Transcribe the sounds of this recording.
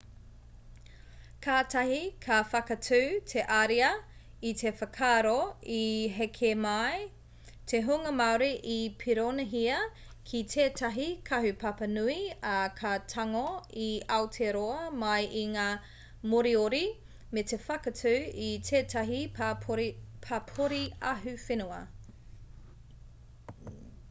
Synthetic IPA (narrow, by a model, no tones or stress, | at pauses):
kʰaːtɐɦikʰɐfɐkɐtʰʉːtʰeʔaɾiɐ | itʰefɐkʰaːɾoiɦekʰemɐj | tʰeɦuŋɐmawɾiʔipʰiɾonɐɦiɐ | kʰitʰeːtʰɐɦikʰɐɦʉpɐpɐnuiɐkʰɐtʰɐŋoiɐwtʰeɾoɐmɐjʔiŋaː | moɾioɾi | metefɐkɐtʰʉːitʰeːtɐɦiɾpʰɐpʰoɾiɐɦʉfenuɐ